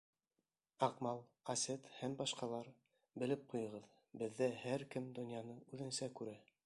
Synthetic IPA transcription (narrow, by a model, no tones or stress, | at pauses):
ɑqmɑlˠ | ɑset̪hæmbɑʃqɑlˠɑɾ | bɘ̆lɘp̚qujɤ̆ʁɤð | bɘ̆ðːæhæɾkɘmd̪ŏnjɑnɤʉðɘ̆nsækʉɾæ